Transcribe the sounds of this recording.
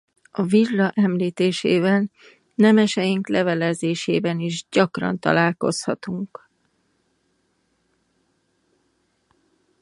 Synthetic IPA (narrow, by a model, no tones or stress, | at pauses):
ɒvirɒʔɛmliːt̪eːʃḛːbɛnː | ɛmɛʃɛjiŋklɛvɛlɛzeːʃeːbɛniʒɟɒkrɒ̰n̪t̪ɒ̰laːlko̞̰shɒt̪uŋk